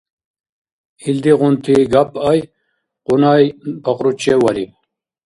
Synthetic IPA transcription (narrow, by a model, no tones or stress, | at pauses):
ild̪iʁunt̪ʰiɡapaj | qunajpɐqɾut͡ɕewɐɾip